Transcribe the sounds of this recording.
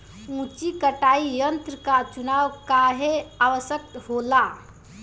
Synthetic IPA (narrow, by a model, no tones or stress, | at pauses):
ũt͡ʃikəʈaijənt̪ɾəkat͡ʃunawkaɦeaʋəsjək̚t̪ɦola